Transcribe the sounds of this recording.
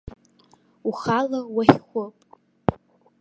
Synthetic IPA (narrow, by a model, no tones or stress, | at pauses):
uχalawaχχʷʊpʼ